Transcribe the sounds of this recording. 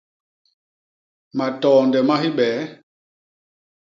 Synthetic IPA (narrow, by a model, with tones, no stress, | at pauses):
ma˨tɔː˨ndɛ˨ma˦ɦi˦ɓɛː˨˦